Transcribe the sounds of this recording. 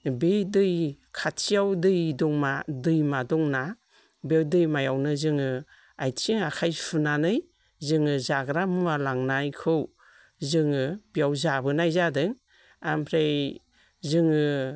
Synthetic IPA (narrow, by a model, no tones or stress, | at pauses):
bedɯj | kʰatʰijawdɯjdɔŋmadɯjmadɔŋna | bewdɯjmajawnɯzɯŋɯ | ajtʰiŋakʰajpʰɯnanɯj | zɯŋɯzaɡɾamualaŋnajkʰɯw | zɯŋɯbijawzabɯnajzadɯŋ | ampʰɾej | zɯŋɯ